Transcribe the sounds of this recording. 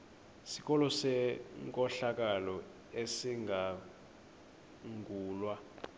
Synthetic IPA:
sik̬ʼɔlɔsɛŋkʼɔɬak̬ʼalɔ | esiŋɡʱa | ŋɡʱuːlwa

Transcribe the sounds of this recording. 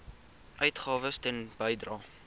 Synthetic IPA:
ʔœɥtχɑːvəstɛnb̥əjdrɑː

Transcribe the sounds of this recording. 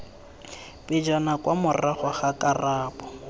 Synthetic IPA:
bɪd͡ʒɔnakwamʊraχɔχakʼaraːpɔ̥

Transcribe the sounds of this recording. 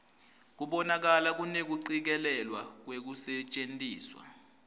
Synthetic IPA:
k̬uɓɔnak̬alak̬unek̬uǀik̬ɛlɛlwak̬wek̬usɛt͡ʃʼentʼiːswa̰

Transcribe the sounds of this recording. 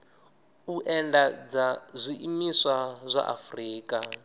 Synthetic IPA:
uʔɛndad͡zazʷiʔimiswazʷa̰ʔa̰friːkʼa

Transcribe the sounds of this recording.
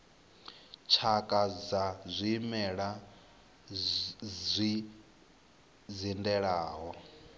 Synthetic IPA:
t͡ʃʰakʼad͡zazʷimɛɺa | zʷi | d͡zindɛɺaːɦɔ

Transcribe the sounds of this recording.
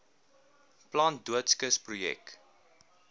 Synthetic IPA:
plɑːnduətskəsprujɛ̰k̚

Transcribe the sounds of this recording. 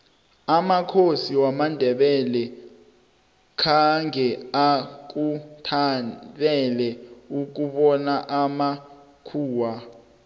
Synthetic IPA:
amakʰosiwamandʱɛɓɛlɛ | kʰaŋʱɛak̬utʰatʼɛlɛuk̬uɓɔnaʔama | kʰuːwa

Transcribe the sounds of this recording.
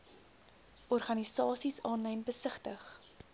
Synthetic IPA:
ʔɔrχɐnisɑːsisɑːnɛjmbəsəχtəχ

